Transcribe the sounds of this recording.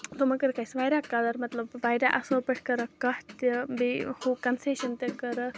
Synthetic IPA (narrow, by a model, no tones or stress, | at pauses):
t̪omɐkɐɾkɐjsʋaːjɾaːkːɐd̪ɐɾmɐt̪lɐbʋaːjɾaʔɐsoːpɐʈʰkɐɾɐkɐht̪ibehuːkɐnseːʃɐnt̪ekɐɾɐ